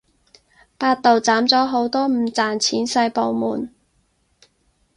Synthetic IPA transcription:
paː˧t̚t̪o˨wt͡saː˨˥mt͡sɔː˨˥ɦo˨˥wt̪ɔː˥m̩ː˨˩t͡saː˨nt͡sʰiː˨˥nsɐ˧jpo˨wmṵː˨˩n

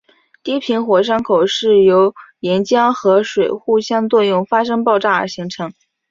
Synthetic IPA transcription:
t̪i˥˩pʰi˧˥nxwɔ˨˩ʂ̬ɑ˥ŋkʰo˨˩ʊʂɻ̩˥˩jo˧˥ʊjɛ˧˥nt͡ɕjɑ˥ŋxɤ˧˥ʂwe˨˩ɪxu˥˩ɕjɑ˥ŋt͡swɔ˥˧jʊ˥˩ŋfa˥ʂ̬ɤ˥ŋpɑ˥˧ʊʈ͡ʂa˥˩ə̰˞˧˥ɕi˧˥ŋʈ͡ʂʰɤ˧˥ŋ

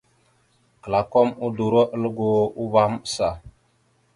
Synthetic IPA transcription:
kə˨la˨kɔ˦mu˦du˨ɾo˦ʔə˦lɡo˦u˦ba˦m˦sa˨

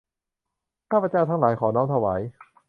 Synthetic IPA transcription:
kʰaː˥˩pːa˧˩t͡ɕaː˧˩wt̪ʰa˦˥ŋlaː˩˦jkʰɔː˩˦nɔː˦˥ŋt̪ʰa˧waː˩˦j

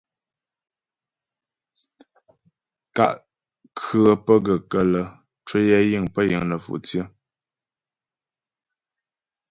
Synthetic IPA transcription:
ka̰˨ʔ | kʰə˦pə˦ɡə˨kə˨lə˨ | t͡ʃwə˦jɛ˦ji˦˨ŋpə˦jə̰˨ŋnə˨fṵ˨ʔt͡sjə˦

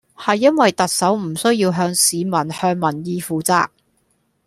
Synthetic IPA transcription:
hɐ˨jːɐ˥nwɐ˨jt̪ɐ˨k̚sɐ˨˥wm̩˨˩sɵ˥ɥjiː˧wɦœː˧ŋsiː˨˧mɐ˨˩nhœː˧ŋmɐ˨˩njiː˨˧fuː˨t͡sa̰ː˧k̚

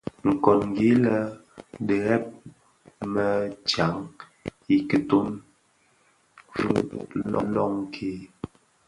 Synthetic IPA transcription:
ŋ̩˨kɔ˨nŋ˨ɡe˨˦lə˦də˨ɣɛ˦p̚ | mə˦˨t͡ʃa˨˦ŋ | i˦kə˨to˦m | vṵ˦lɔ̰˦lɔ˦ŋkʰe˦

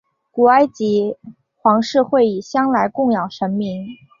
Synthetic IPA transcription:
ku˨˩a˥ɪt͡ɕi˧˥ | xwɑ˧˥ŋʂɻ̩˥˧xwe˥˩ɪi˨˩ɕjɑ˥ŋla˧˥ɪkʊ˥˧ŋjɑ˨˩ŋʂə˧˥nmi˧˥ŋ

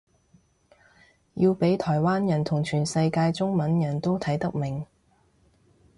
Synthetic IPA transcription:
jiː˧wpe˨˥jt̪ʰɔː˨˩jwaː˥njɐ˨˩nt̪ʰʊ˨˩ŋt͡ʃʰyː˨˩nsɐ˧jkaː˧jt͡sʊ˥ŋmɐ˨˥njɐ˨˩nt̪o˥wt̪ʰɐ˨˥jt̪ɐ˥k̚mɪ˨˩ŋ

